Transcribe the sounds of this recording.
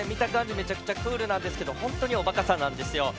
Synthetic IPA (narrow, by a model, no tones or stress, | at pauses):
emʲit̪akãɲ̟d͡ʑime̞t͡ɕakɯ̟̥t͡ɕakɯːɾɯ̟nãnd̪esɨ̥ke̞d̪o̞hõ̞nt̪o̞ɲ̟io̞bakasãnːãnd̪e̞sɨjo̞